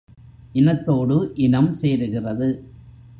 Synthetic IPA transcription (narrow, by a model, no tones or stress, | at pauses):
ʔɪnɐt̪ːoːɽɯʔɪnɐmseːɾɯɣɪrɐðɯ